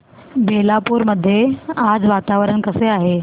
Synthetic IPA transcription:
belapuːɾməd̪ʱːjead͡zʋat̪aʋəɾəɳkəseaɦe

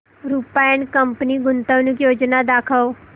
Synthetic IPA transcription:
ɾupajənkəmpniɡʊnt̪əʋnũkjoːd͡ʒnad̪aːkʰəo

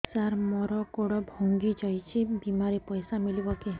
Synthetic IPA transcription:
saɾmɔɾɔkoɽɔbʱɔŋɡid͡ʒɔjt͡ʃʰibimaɾepɔjsamilibɔke

